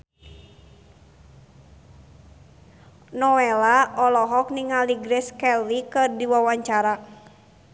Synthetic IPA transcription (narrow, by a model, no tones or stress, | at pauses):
nɔɛlaɔlɔɦɔk̚niŋaliɡɾɛskɛlvikɨrdiwawaɲt͡ʃaɾa